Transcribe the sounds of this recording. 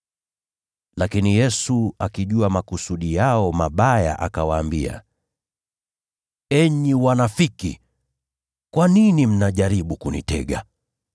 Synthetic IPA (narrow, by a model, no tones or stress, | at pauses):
lakinijɛsuakiʄuamakusuɗijaɔmaɓaja̰ʔakawaːmbia̰ | ɛɲiwanafiki | kwaninim̩naʄaɾiɓukunḭtɛ̰ɠa̰